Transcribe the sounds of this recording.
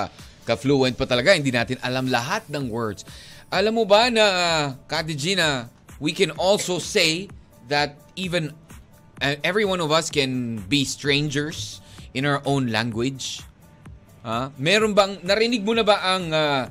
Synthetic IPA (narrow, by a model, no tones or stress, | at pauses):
kɐfluɛnt̪̚pɐt̪ɐlɐɡahɪnd̪inaːt̪ɪnʔɐlamlɐɦat̪̚nɐŋwɛɹd̪sʔɐlamːobanɐkad̪ɪd͡ʒinɐ | wikɛ̃nʔɔlsowsej | ðɐt̪̚ivɛ̃n | ʔɛvɹiwãnɔvɐskɛ̃nbist̪ɹẽjnd͡ʒɛɹsʔɪ̃nawə˞ʔõwnla̰ŋɡwɪd͡ʒd͡ʒ | hamɛːɾonbɐŋnɐɾɪnɪɡ̚mʊnɐbaʔɐŋa